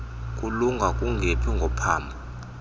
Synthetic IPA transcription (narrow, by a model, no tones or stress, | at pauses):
kʼuluŋɡʱakʼuŋɡʱepʰiŋɡʱɔpʰaːmbʱa